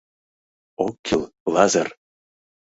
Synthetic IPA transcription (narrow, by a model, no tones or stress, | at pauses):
okʰːilˠlɑzɤr